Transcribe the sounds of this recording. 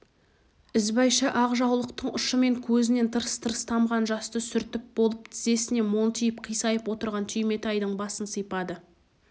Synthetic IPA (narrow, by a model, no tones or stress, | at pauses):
ɪzbɑjʃəʔɑʁʒɑwlˠəq̚t̪əɴʊʃəme̞ŋkʲʰɵzɪne̞nt̪ʰəɾəst̪ʰəɾəst̪ʰɑmʁɑnʒɑst̪əsʏɾt̪ɪp̚bo̞lˠəpt̪ʰɪze̞sɪne̞mo̞nt̪ʰijəpqʰijsɑjəpwo̞t̪əɾʁɑnt̪ʰʏjme̞t̪ɑjd̪əɴbɑsənsəjpɑd̪ə